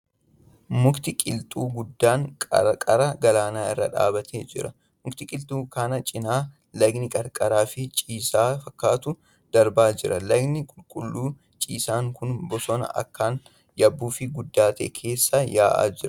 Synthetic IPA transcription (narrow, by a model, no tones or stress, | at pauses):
mʊkt̪ɪkʼɪlt̪ʼuːɡʊd̪ːaːŋkʼɐ̰ɾkʼɐɾɐɡɐlaːnaːɪ̰rːɐ̰ᶑa̰ːbɐt̪ʰeːd͡ʒɪɾɐ | mʊkt̪ɪkʼɪlt̪ʼuːkaːnɐt͡ʃʼɪnaː | lɐɡnɪkʼɐɾkʼɐɾaːfɪt͡ʃʼiːsaːfɐkːaːt̪ʊ | d̪̥ɐɾbaːd͡ʒɪɾɐlɐɡnɪkʼʊlkʼʊlːuː | t͡ʃʼiːsaːŋkʊnbɔsɔnɐ̰ʔɐ̰kːaːn | jɐbːuːfɪɡʊd̪ːaːt̪eːkʰe̞ːsːajaːʔa̰ːd͡ʒɪɾɐ